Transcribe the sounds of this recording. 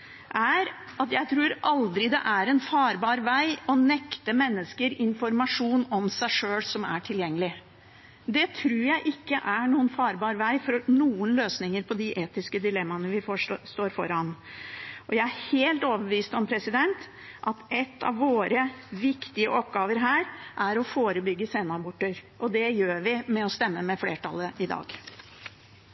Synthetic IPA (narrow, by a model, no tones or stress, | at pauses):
ʔæɾɑt̪jæɪt̪ʰɾuːɾʔɑld̪ɾɪd̪ɛ̰ʔæɾɛnfɑːɾbɑːɾʋæɪɔnɛkt̪əmɛnːəskəɾɪnfɔɾmɑʂuːnɔmsæɪʂøːlsɔmæ̰ʈʰɪljɛŋːəlɪ | d̪ɛt̪ʰɾuːɾjæɪʔɪkːəʔæɳuːənfɑːɾbɑːɾʋæɪfɔɾnuːənløːsnɪŋəɾpʰɔd̪ɪʔeːt̪ɪskəd̪ɪlɛmːɑnəʋɪfst̪oːɾfɔ̰ɾɑn | ʔɔjæɪæheːlt̪oːʋəbəʋiːst̪ɔmpʰɾɛsɪd̪ɛnt̪ | ʔɑt̪ɛt̪ːɑ̰ʋʋːoːɾəʋɪkt̪ɪəʔɔpɡɑːʋəɾɦæːɾʔæɾɔfoːɾəbʏɡːəseːnɑbʊʈːəɾʔɔd̪ɛjøːɾʋɪmɛɔst̪ɛmːəmɛfleːʈʰɑ̰lːəʔɪd̪ɑ̰ːɡ